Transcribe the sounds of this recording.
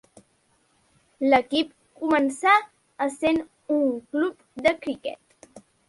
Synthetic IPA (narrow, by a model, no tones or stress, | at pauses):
ləkip̚ | kumənsa | əsen | uŋklup̚ | d̪əkɾikɛ̰t̪